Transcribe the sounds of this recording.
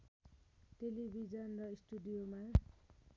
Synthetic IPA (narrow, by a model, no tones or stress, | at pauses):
ʈelibʱid͡zʌnrʌisʈuɖijoma